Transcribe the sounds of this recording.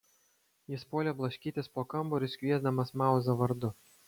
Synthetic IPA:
jɪspoːlʲeblˠɐʃʲkʲiːt̪ʲɪspoːkɐmbʊɾʲɪsʲkʲʋʲiɛzd̪ɐmɐsmɑˑʊzɐʋɐɾd̪ʊ

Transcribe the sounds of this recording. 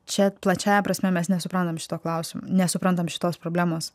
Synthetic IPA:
t͡ʃʲɛplˠɐt͡ʃʲæːjɛpɾɐsʲmʲɛmʲɛsnʲɛsʊpɾɐnt̪ɐmʃʲɪ̥t̪oːklˠɐʊsʲɪm̰nʲɛsʊpɾɐnt̪ɐmʃʲɪ̥t̪oːspɾoːbʲlʲæːmoːs

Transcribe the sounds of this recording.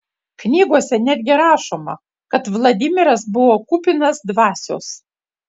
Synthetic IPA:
knʲiːɡuɔsʲɛnʲæːd̪ʲɡʲɪɾɑːʃoːmɐ̰ | kɐt̪ʋlˠɐd̪ʲɪmʲɪɾɐs̬bʊʋoːkuːpʲɪnɐsd̪ʋɑːsʲo̰ːs

